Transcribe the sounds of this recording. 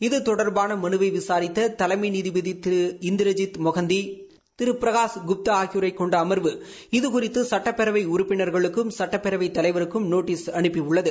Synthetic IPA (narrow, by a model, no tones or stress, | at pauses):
ɪðɯt̪ɔɽɐɾbaːnɐmɐnɯʋɐɪʋɪsaːɾɪt̪ːɐt̪ɐlɐmɐɪniðɪbɐðit̪ɪɾɯɪnd̪ɪɾɐd͡ʒɪt̪mɔɣɐnd̪i | t̪ɪɾɯpːɾɐɣaːsɡʊp̚t̪ɐaːɣjɾɐɪkːɔɳɖɐːmɐɾʋɯ | ɪðɯkʊɾɪt̪ːɯsɐʈːɐpːɛɾɐʋɐɪʊɾʊpːɪnɐɾɣɐɭɯkːɯmsɐʈːɐpːɛɾɐʋɐɪt̪ːɐlɐɪʋɐɾɯkːɯmnoːʈːiːsɐɳɯpːiʊɭːɐðɯ